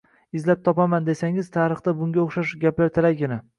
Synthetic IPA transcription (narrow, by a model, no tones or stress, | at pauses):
ɪzlap̚t̪ʰɒpamand̪e̞saŋɪzt̪ʰaɾɨχt̪abʊŋɡʲaoχʃaʃɡʲaplaɾt̪ʰɪlaɪna